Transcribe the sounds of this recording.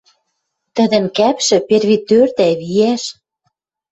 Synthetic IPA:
t̪ə̆d̪ə̆nkæpʃɘ̆perβit̪ørt̪æβijæʃ

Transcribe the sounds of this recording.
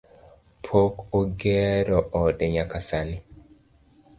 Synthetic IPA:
pʰokoɡɛɾɔʔɔdɛɲakasani

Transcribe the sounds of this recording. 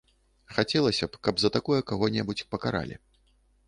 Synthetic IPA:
xat͡sʲɛlˠɐsʲɐpkɐbzɐt̪akɔjɐkaɣɔnʲɛbut͡sʲpɐkaɾa̰lʲḭ

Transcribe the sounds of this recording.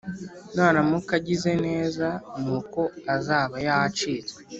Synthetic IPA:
naːɾamukaɟize̞ne̞ːzanuːko̞azaːβajahat͡ʃiːze

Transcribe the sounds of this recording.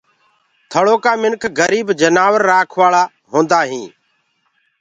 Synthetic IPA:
t̪ʰəɽoːkaːmɪnkʰɡəɾiːbd͡ʒənaːʋəɾːaːkʰʋaːɭaː | ɦõːnd̪aːɦĩː

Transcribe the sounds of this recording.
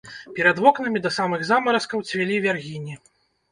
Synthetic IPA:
pʲɛɾɐd̪vɔknɨmʲid̪ɐsamɨɣzamɐɾɐskɐwt͡sʲvʲɛlʲivʲarɣʲinʲi

